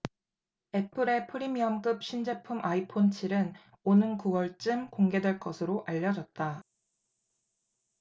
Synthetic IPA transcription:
e̞pʰɯɾe̞pʰɯɾimiʌmk͈ɯp̚ɕʰind͡ʑe̞pʰumaipʰont͡ɕʰiɾɯn | onɯnkuwʌɭt͡ɕ͈ɯmkoŋɡe̞dwe̞ɭk͈ʌsʰɯɾoʔaʎːʌd͡ʑʌt̚t͈a

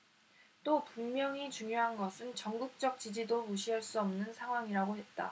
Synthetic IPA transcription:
t͈opuŋmjʌŋit͡ɕuŋjoɦanɡʌsʰɯnt͡ɕʌŋɡuk̚t͡ɕ͈ʌk̚t͡ɕ͈id͡ʑidomuɕʰiaɭs͈uʌmnɯnsʰaŋɦwaŋiɾaɡoɦe̞t̚t͈a̰

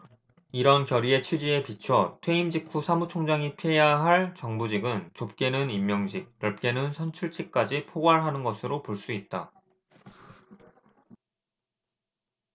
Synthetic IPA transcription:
iɾʌnkjʌɾie̞t͡ɕʰid͡ʑie̞pit͡ɕʰʌtʰwe̞imd͡ʑikʰusʰamut͡ɕʰoŋd͡ʑaŋipʰejaɦaɭt͡ɕʌŋbud͡ʑiɡɯnt͡ɕop̚k͈e̞nɯnimːjʌŋɕʰik̚jʌɭp̚k͈e̞nɯnsʰʌnt͡ɕʰuɭt͡ɕ͈ik̚k͈ad͡ʑipʰoɡwaɭɦanɯnɡʌsʰɯɾopoɭs͈uit̚t͈a

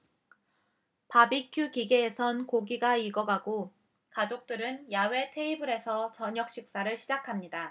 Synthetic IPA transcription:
pabikʰjukiɡe̞ːsʰʌnkoɡiɡaiɡʌɡaɡo | kad͡ʑok̚t͈ɯɾɯnjawe̞tʰe̞ibɯɾe̞sʰʌt͡ɕʌɲʌk̚ɕ͈ik̚s͈aɾɯɭɕʰid͡ʑakʰamɲida

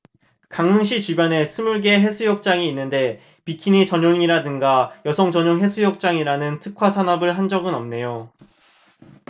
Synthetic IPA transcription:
kaŋɯŋɕ̬ʰit͡ɕibjane̞sʰɯmuɭɡe̞ɦe̞sʰujʌk̚t͡ɕ͈aŋiːnːɯnde̞ | pikʰiɲit͡ɕʌɲoŋiɾadɯŋɡajʌsʰʌŋd͡ʑʌɲoŋɦe̞sʰujʌk̚t͡ɕ͈aŋiɾanɯntʰɯkʰwasʰanʌbɯɭɦand͡ʑʌɡɯnʌmne̞jo

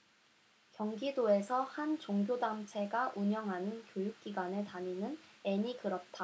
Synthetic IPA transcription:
kjʌŋɡidoe̞sʰʌhant͡ɕoŋɡjodamt͡ɕʰe̞ɡaʔuɲʌŋɦanɯnkjojuk̚k͈iɡwanetaɲinɯne̞ɲikɯɾʌt̚t͈a

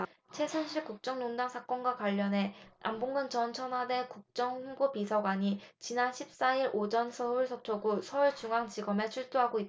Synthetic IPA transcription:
t͡ɕʰe̞sʰʌnɕʰiɭkuk̚t͡ɕ͈ʌŋnondaŋsʰak͈ʌnɡwakwaʎːʌnɦe̞a̰mboŋɡɯnt͡ɕʌnt͡ɕʰʌnwade̞kuk̚t͡ɕ͈ʌŋɸuŋbopisʰʌɡwaɲit͡ɕinanɕʰip̚s͈aiɾod͡ʑʌnsʰʌuɭsʰʌp̚t͡ɕʰoɡosʰʌuɭt͡ɕuŋɦaŋt͡ɕiɡʌme̞t͡ɕʰuɭt͈oɦaɡoit

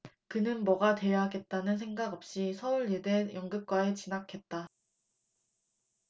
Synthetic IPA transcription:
kɯnɯnmʌɡatwe̞jaɦaɡe̞t̚t͈anɯnsʰe̞ŋɡaɡʌp̚ɕ͈isʰʌuɭede̞jʌŋɡɯp̚k͈waet͡ɕinakʰe̞t̚t͈a

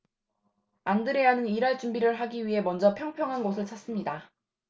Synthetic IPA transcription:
andɯɾe̞anɯniɾaɭt͡ɕ͈umbiɾɯɭɦaɡiɥiɦe̞mʌnd͡ʑʌpʰjʌŋpʰjʌŋɦanɡosʰɯɭt͡ɕʰas͈ɯmɲida

